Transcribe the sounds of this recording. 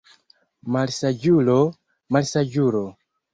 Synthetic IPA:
malsad͡ʒulo | malsad͡ʒuɾo

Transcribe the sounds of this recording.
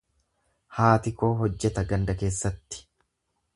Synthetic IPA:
haːt̪ɪko̞ːɦɔd͡ʒːɛt̪ɐɡɐnd̪ɐke̞ːsːɐt̪ːɪ̥

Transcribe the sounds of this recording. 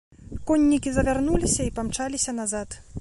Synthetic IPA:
kɔnʲːikʲizɐvʲarnulʲisʲɐipamt͡ʂalʲisʲɐn̪azat̪

